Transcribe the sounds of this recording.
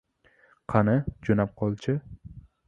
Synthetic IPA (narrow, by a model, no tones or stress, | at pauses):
qʰɑnɪd͡ʒonap̚qʰɒlˠt͡ʃʰɪ